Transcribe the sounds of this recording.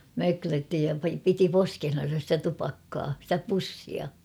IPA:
møkløtːi jɑ piti poskehnɑn̞sɑ stæ tupɑkːɑː sĭtæ pusːiɑ

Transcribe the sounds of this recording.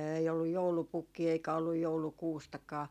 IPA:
eːi olːuj joulupukːiː eikæ olːuj joulukuːstɑkɑː

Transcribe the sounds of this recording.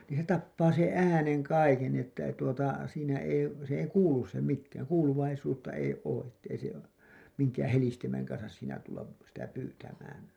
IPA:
niːn̞ se tɑpːɑː sẽː ʔæːneŋ kɑiken ni etːæ ei tuotɑ siːnæ ei sĕ ei kuːlus se mikːæːn kuːluʋɑisuːtːɑ ei oː ʔetːei se miŋkæːæ̃ helistimeŋ kɑnsɑs siːnæ tulːɑp sitæ pyːtæmæːn

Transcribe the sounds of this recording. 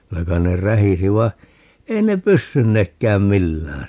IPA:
kylæ kɑin ne ræhisi ʋɑi̯ ei ne pysːynːekːæːm milːæːn

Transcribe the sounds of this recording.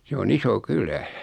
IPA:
se on iso kylæ

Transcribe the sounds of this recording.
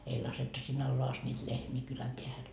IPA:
ei lɑsetːu sinː ɑlːoɑ ɑst nʲiːt lehmiː kylæm peæhæn

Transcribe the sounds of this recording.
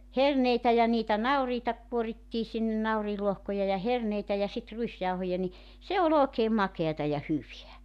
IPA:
herneitæ jɑ niːtæ nɑuriːtɑ kuoritːiː sinːe nɑuriːlːohkojɑ jɑ herneitæ jɑ sit ruisjɑuhojɑ ni se ol oːkeːm mɑkeɑtɑ jɑ hyʋeæ

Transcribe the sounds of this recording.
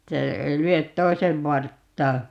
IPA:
etːæ ei lyøt toi̯seʋ ʋɑrtːɑː

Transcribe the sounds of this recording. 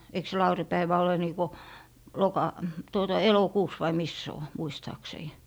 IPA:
eik se lɑuripæiʋæ ole niːkɔ josːlokɑ tuotɑ elokuːs ʋɑi mis se o muistɑːksei

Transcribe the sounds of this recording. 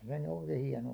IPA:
se ny oi̥ke̥ hiɛnoɑ

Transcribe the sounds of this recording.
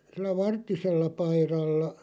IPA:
silːæ ʋɑrtːiselːɑ pɑirɑlːɑ

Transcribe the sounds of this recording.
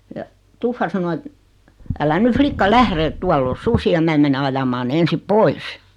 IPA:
jɑ tufːɑ sɑno et ælæ ny flikːɑ læhre ĕt tuɑlː o susiɑ mæː mene ɑjɑmɑː ne ensip pois

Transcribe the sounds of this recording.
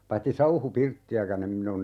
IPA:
pɑitːi sɑuhupirtːiækæn em min on

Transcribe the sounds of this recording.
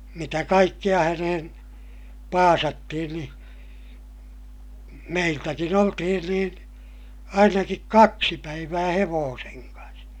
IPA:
mitæ kɑikːij̆ɑ hænehen pɑːsɑtːihin ni meiltækin oltihin niːn ɑinɑkik kɑksi pæiʋæː heʋoːseŋ kɑns

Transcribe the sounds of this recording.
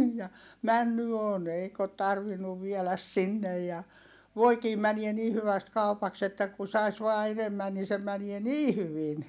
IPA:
jɑ mænːy on eik ot tɑrʋinːuʋ ʋielæs sinːej jɑ ʋoikiː mæniɛ ni hyʋæst kɑupɑks etːæ ku sɑis ʋɑː enemːæn niː se mænie niː hyʋin

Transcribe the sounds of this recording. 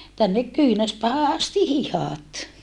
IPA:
tænːek kyːnæspæːhæ ɑsti hihɑˑt

